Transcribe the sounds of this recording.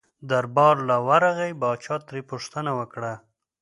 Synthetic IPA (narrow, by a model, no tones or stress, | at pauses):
d̪aɾbɑɾlawaɾaɣajbɑt͡ʃɑt̪ɾepuʂt̪ənawəkɽa